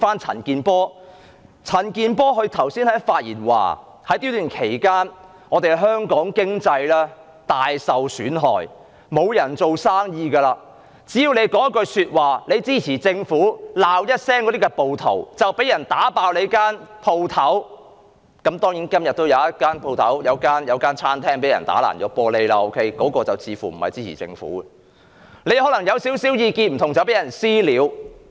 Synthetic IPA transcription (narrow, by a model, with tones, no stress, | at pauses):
faː˥nt͡sʰɐ̰˨˩nkiː˧npɔː˥ | t͡sʰɐ˨˩nkiː˧npɔː˥ɦɵ˧ɥt̪ʰɐ˨˩wsiː˥nhɐ˨˥jfaː˧t̚jḭː˨˩nwa̰ː˨˩ | hɐ˨˥jt̪i˥wlyː˨˩nkʰe˨˩jkaː˥n | ŋɔː˨˧t̪e˨˩hɦœː˥ŋkɔː˨˥ŋkɪ˥ŋt͡sɐ˧jlɛː˥ | t̪aː˨jsɐ˨wsy̰ː˨˥nɦɔ̰ː˨j | mo˨˧wjɐ˨˩nt͡so˨wsaː˥ŋjiː˧kɐː˧laː˧ | t͡siː˨˥ji˨˧wne˨˧jkɔː˨˥ŋ˥kːɵ˧syː˧t̚waː˨˩le˨˧jt͡siː˥t͡sʰiː˨˩t͡sɪ˧ŋfuː˨˥laː˨wjɐ˥t̚sɛː˥ŋkɔ˨˥t̪iː˥kɛ˧po˨wt̪ʰo̰˨˩wt͡sɐ˨wpe˨˥jɐ˨˩nt̪aː˨˥paː˧wle˨˧jkaː˥npʰo˧wt̪ʰɐ˨˥w | kɐ˨˥mt̪ɔː˥ŋjiː˨˥nkɐ˥mjɐ˨t̚t̪o˥wjɐ˨˧wjɐ˥t̚kaː˥npʰo˧wt̪ʰɐ˨˥wjɐ˨˧wkaː˥njɐ˨˧wkaː˥nt͡sʰaː˥nt̪ʰɛː˥ŋpe˨˥jɐ̰˨˩nt̪a̰ː˨˥la̰ː˨˩njɔ̰ː˨˥pɔː˧le˨˧jla˧ʔo˧wkʰe˥jkɔː˨˥kɔː˧t͡sɐ˨wt͡sʰiː˨˧fṵː˨˩m̩˨˩hɐ̰˨jt͡siː˥t͡sʰḭ˨˩t͡sɪ̰˧ŋfṵː˨˥ | le˨˧jhɔː˨˥lɐ˨˩ŋjɐ˨˧wsi˨˥wsiː˨˥wjiː˧kiː˧n̚m̩˨˩t̪ʰʊ˨˩ŋt͡sɐ˨wpe˨˥jɐ˨˩nsiː˥liː˨˧˥w